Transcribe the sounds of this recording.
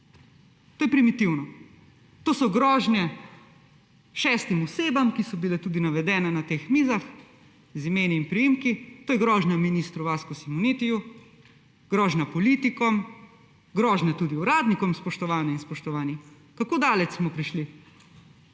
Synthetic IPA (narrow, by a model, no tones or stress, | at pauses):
t̪oːjɛpɾimit̪iwnɔ | t̪oːsɔɡɾɔːʒnjɛ | ʃɛːst̪imɔseːbamkisɔbilɛt̪uːd̪inaʋɛd̪ɛːnɛnat̪eːxmiːzax | zimeːniinpɾijimkit̪oːjɛɡɾɔːʒnʲaminist̪ɾuʋaːskusimunit̪iju | ɡ̥ɾɔːʒnapɔlit̪ikɔm | ɡɾɔːʒnɛt̪uːd̪iuɾaːd̪nikɔmspɔʃt̪ɔʋaːnjɛinspɔʃt̪ɔʋaːni | kakoːd̪aːlɛt͡ʃ̪smɔpɾiʃli